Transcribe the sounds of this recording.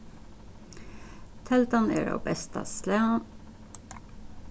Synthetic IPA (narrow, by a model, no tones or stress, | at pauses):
t̪ʰɛlt̪ɑnḛːɾo̰ːbɛst̪ɑ̰slæn